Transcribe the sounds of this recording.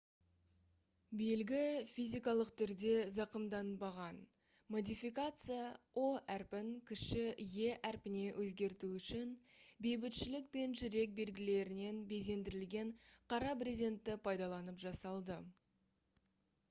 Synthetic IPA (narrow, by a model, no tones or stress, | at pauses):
belɡʲɪfʲizʲijkɑlˠəqt̪ʰʏɾd̪e̞zɑqəmd̪ɑnbɑʁɑn | mo̞d̪ʲijfijkat̪sɨjɑ | oʔæɾpɪŋkʲʰɪʃɪje̞ʔæɾpɪne̞wʔɵzɡʲe̞ɾt̪uʏʃɪnbe̞jbɪt̪ʃɪlɪk̚pe̞nʒʏɾe̞k̚be̞lɡʲɪle̞ɾɪne̞nbe̞js̬e̞nd̪ɪɾɪlɡʲe̞ɴqʰɑɾɑpɾʲizʲe̞nt̪ːɪpʰɑjd̪ɑlˠɑnəpʒɑsɑlˠd̪ə